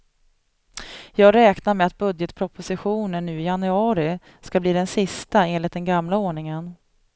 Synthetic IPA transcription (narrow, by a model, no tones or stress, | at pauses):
jɑːɡɾɛːknaɾmɛat̪̚bɵd̪jət̪pʰɾɔpʰʊsɪɧuːnənːʉ̟ːɪjanɵɑːɾɪ | skabliːd̪ɛnsɪst̪aeːnlɪt̪d̪ɛnɡamlaoːɳɪŋən